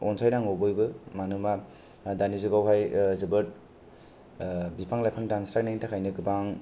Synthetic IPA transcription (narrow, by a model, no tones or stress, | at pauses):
ɔnsʰajnaŋowbojbɯmanɯma | danizuɡawɦajzɯbɯɾt̚ | bipʰaŋlajpʰaŋdansɾak̚naiŋtʰakʰajnɯɡɯbaŋ